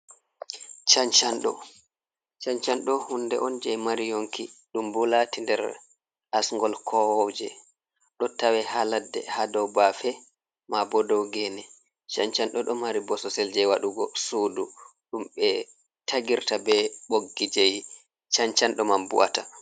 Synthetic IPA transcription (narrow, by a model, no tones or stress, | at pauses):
t͡ʃaɲt͡ʃanɗɔ̰ | t͡ʃant͡ʃanɗɔhundɛ̰ʔɔnd͡ʒɛmaɾijoŋkiɗumbulatindɛɾ | ʔasŋɡɔlkʰɔwɔd͡ʒɛ | ɗɔtawɛhaladːɛ̰hadɔwbafɛ | mabɔdɔwɡɛnɛ | t͡ʃant͡ʃanɗɔɗɔmaɾibɔsɔsɛld͡ʒɛwaɗuɡɔsuːduɗumɓɛ | tʰaɡiɾtabɛɓoɡːid͡ʒej | t͡ʃant͡ʃanɗɔmambṵwa̰ta